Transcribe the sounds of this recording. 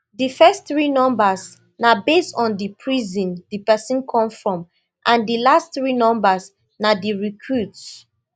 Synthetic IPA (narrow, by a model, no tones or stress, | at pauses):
difɛsθɹinɔ̃mbas | nabestɔ̃ndipʰɹizĩndipɛsĩnkʰɔ̃mfɹɔ̃m | ʔãndilastθɹinɔ̃mbas | nadiɹikʰɹuts